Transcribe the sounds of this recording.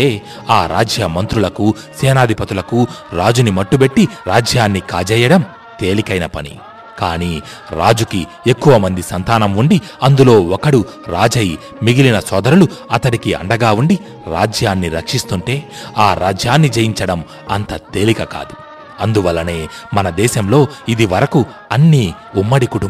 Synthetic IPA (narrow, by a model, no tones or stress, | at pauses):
eː | aːɾa̰ːd͡ʒjɐmɐnt̪ɾulɐku | seːnaːd̪ʱipɐt̪ulɐkuɾaːd͡ʒunimɐʈːube̞ʈːiɾaːd͡ʒjaːnːikaːd͡ʒɛːjɐɽɐm | t̪e̞ːlikɐjnɐpɐnḭ | kaːniː | ɾaːd͡ʒuki | ekːuʋɐmɐnd̪isɐnt̪aːnɐmuɳɖi | ɐnd̪ulo̞ːɔkɐɽu | ɾaːd͡ʒɐji | miɡilinɐsɔːd̪ɐɾuluɐt̪ɐɽikiɐ̰ɳɖɐɡaːuɳɖi | ɾa̰ːd͡ʒjaːnːiɾɐkʂist̪uɳʈe̞ːaːɾa̰ːd͡ʒjaːnːid͡ʒejiɲt͡ʃɐɽɐm | ɐ̰nt̪ɐt̪e̞ːlikɐka̰ːd̪u | ɐnd̪uʋɐlːɐne̞ː | mɐnɐd̪ɛːʃɐmlo̞ːid̪iʋɐɾɐku | ɐnːiː | umːɐɽikuʈu